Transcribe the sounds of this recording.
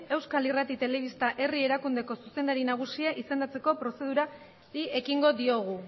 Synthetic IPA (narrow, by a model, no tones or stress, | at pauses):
e̞wskalirat̪it̪e̞le̞βist̪aʔe̞rie̞ɾakund̪e̞ko̞suse̞nd̪aɾinaɣ̞usiaʔise̞nd̪at͡se̞ko̞pɾo̞se̞ð̞uɾa | ɾie̞kiŋɡo̞ðio̞ɣ̞u